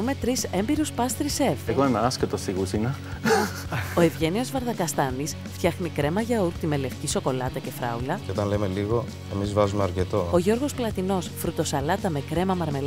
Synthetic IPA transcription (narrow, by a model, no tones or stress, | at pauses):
ume̞t̪ɾise̞mbiɾuspɐst̪ɾise̞veoenɐɐsket̪osiɣusinɐ | oe̞vʝe̞nio̞zvɐɾðɐkɐst̪ɐnis | ft̪çɐxnikɾe̞mɐʝɐuɾkt̪ime̞le̞fciso̞ko̞lɐt̪ɐce̞fɾɐ̰ulɐeo̞t̪ɐnle̞me̞liɣo̞ | e̞mizvɐzumeɐɾce̞t̪o̞o̞ʝo̞ɾɣo̞splɐt̪ino̞sfɾut̪o̞sɐlɐt̪ɐme̞kɾe̞mɐmɐɾme̞l